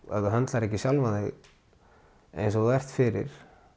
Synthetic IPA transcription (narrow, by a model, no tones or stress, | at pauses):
ɛ̰ðʏɦant̪laɾɛhcːɪsjalvaðɛɣ | ḛjnsɔðɛjr̥t̪fɪɾɪ̰ɾ̥